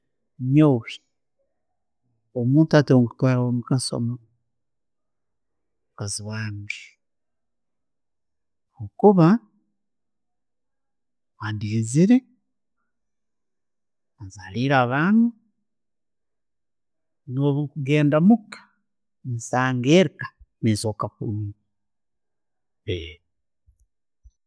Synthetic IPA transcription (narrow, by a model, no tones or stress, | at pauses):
mjoːβi | omuːntatoŋku̥twaːlaomukaso̰mo | kaziwaːŋɡe | okuβa | waːndiiziɾe̞ | azaliɾaβaːnu | noβukuɡe̞ːndamukḁ | nisaːŋɡeɾkḁmisokakṵumi | pe